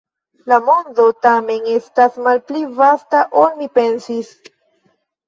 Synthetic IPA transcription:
lamo̞ndo̞tame̞ne̞stasmalplivastaʔo̞lmipe̞nsis

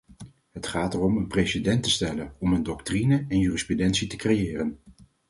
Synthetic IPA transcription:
ɦətχaːtərɔmənprejsedɛntəstɛlənɔməndɔktrinəɛnjyːrisprydɛntsitəkrejɪːrən

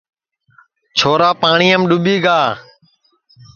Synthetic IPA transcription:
t͡ʃʰoːɾaːpaːɳiːəmɗʊɓiːɡaː

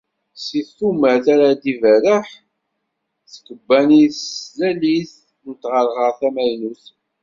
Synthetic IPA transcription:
siθumæθaɾad̪ivæɾəħ | θkəbːænislæliθ | nt̪ʁəɾʁəʁθæmæjnuθ

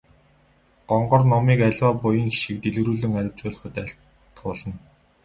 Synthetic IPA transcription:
ɢ̥ɔɴɢɞ̆rnɔmiːkæɮʲwaːpʊjə̆ŋxi̥ʃĭk̚t̪eɮɣɾuːɮɘ̆ŋæɾʲɪ̆wt͡ɕʊːɮ̆χə̆t̪æɬ | t̪χʊːɮə̆n

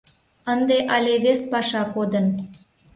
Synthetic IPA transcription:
ənd̪eʔɑlʲeβespɑʃɑkod̪ən

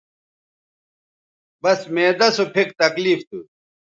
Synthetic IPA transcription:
bɐsmeːd̪ɐsopʰikt̪ɐkliːft̪u

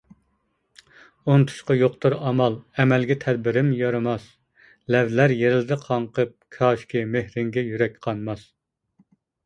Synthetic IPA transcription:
ont̪ʰu̥ʃqɑjoqt̪ɨɾɑmɑlˠɛmɛlɡʲɛt̪ʰɛd̪̚bɪɾɪmjɑɾɑmɑs | lɛvlæɾjeɾɪlɪd̪ɪqʰɑɴqʰəp̚kʰɑːʃkʲimehɾɪŋɡʲɛjyɾɛk̚ʲqʰɑnmɑs

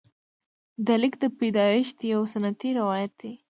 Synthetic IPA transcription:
d̪alɪkd̪əped̪ɑɪʃd̪əjawsanat̪iɾɪwɑjat̪̚d̪e

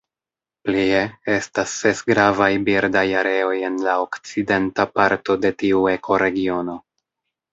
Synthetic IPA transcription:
plie̞e̞stasːe̞sɡɾavajbiɾdajaɾe̞o̞je̞nlaokt͡side̞ntapaɾto̞de̞tiue̞kʰo̞ɾe̞ɡio̞no̞

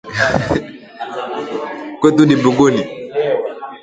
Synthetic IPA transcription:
kwet̪udibuɡoni

